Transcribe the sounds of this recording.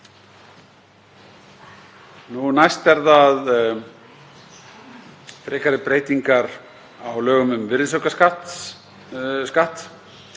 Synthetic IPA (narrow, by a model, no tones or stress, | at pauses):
nunajst̪vɛɾðaːð | t̪ɾɛːkaɾɪpɾeːjt̪iŋkaɾ | awlœːɣʏmʏmvɪɾðsowkaskat̪ | skaht̪